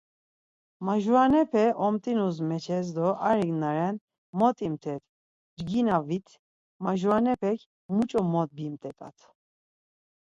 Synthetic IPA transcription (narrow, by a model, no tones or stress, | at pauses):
maʒuanɛpʰɛʔɔmt̪ʼinuzmɛt͡ʃʰɛs̬d̪ɔʔaɾiɡnaɾɛn | mɔt̪ʼimt̪ʰɛt̪ʰ | d͡ʒɡinavit̪ʰ | maʒuanɛpʰɛkʰ | mut͡ʃʼɔmɔt̪̚bimt̪ʼɛt̪ʼa̰t̪ʰ